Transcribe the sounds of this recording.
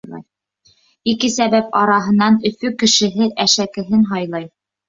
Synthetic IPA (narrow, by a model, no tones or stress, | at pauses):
ikɘsæβæpɑɾɑɦɤ̆nɑnɵ̆fɵkɘ̆ʃɘ̆ɦɘʔæʃækɘ̆ɦɘnɦɑjlˠɑj